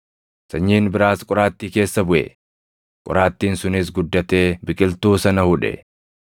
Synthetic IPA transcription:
sɐɲːiːnbɪɾaːskʼʊɾaːt̪ːiːke̞ːsːɐbʊʔɛ̰ | kʼʊ̰ɾaːt̪ːiːnsʊnɪs̬ɡʊd̪ːɐt̪e̞ːbɪkʼɪlt̪uːsɐnɐhʊᶑɛ̰

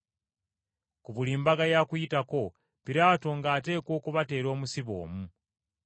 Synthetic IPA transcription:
kuβuliːmbaɡajakujitako̞ | piɾaːto̞ŋɡaːte̞ːko̞ːkuβate̞ːɾo̞ːmusiβo̞̰ːmu

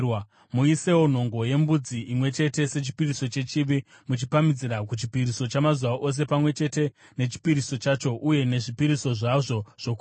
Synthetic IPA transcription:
w | muise̞won̤o̞ŋɡo̞je̞mbud͡ziimwe̞t͡ʃe̞te̞se̞t͡ʃi̥piriso̞t͡ʃe̞t͡ʃiʋi | mut͡ʃipamid͡ziɾakut͡ʃipiɾiso̞t͡ʃamazuwaʔo̞s̬e̞pamwe̞t͡ʃe̞te̞ | ne̞t͡ʃi̥piɾiso̞t͡ʃat͡ʃo̞ʔuje̞ne̞ʐipiɾiso̞ʐaʐo̞ʐ̥o̞ku

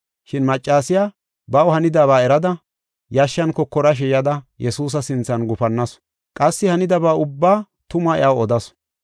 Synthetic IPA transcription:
ʃɪnmɐt͡ʃʼːaːsɪjaː | bɐwhɐnɪd̪aːβaːɛɾɐd̪ɐ | jɐʃːɐnkɔkːɔɾɐʃ̬ɛjɐd̪ɐjɛsuːs̬ɐsɪnt͡sːɐnɡʊfɐnːɐs | kʼɐsːɪhɐnɪd̪ɐbaːʊbːaː | t̪ʊmɐɪ̰ʔawɔd̪ɐs

